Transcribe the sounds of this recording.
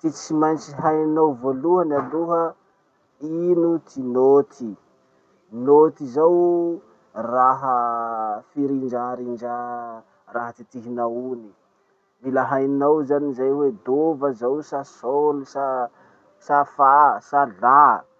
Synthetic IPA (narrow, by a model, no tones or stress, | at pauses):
t̪it͡simajnt͡ʃiɦajninawvoluɦənaluɦə | inut̪ʰinot̪ʰi | not̪izaw | raɦə | fiɾind͡ʒaɾind͡ʒa | raɦət̪it̪iɦinauni | viləɦajnawzanizajwed̪ovəzawsasolusa | safasala